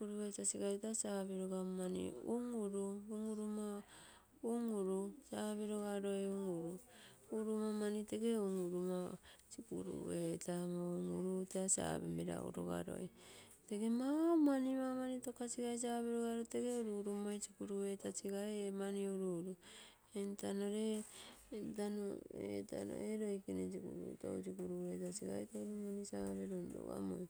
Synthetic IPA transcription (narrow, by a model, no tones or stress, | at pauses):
kuɾuβetasiɡatasaβeɾoɡamanḭṵŋuɾuuŋuɾuma | uŋuɾusaβeɾoɡaɾojuŋuɾu | uɾumamaniteɡeuŋuɾumasikṵɾṵetamauŋuɾuteasa̰bḛmbeɾa̰ṵɾo̰ɡa̰ɾo̞̰j | teɡemawmanimamanitokasiɡajs̬aβeɾoɡaɾoteɡeuɾuɾumajsikuɾuetasiɡaemaniuɾuɾu | entanoɾe | danoeta̰no̰eɾo̞jkinesikuɾuto̰usikuɾuetasiɡa̰etekuɾumanisaβeɾonɾo̰ɡa̰mo̰j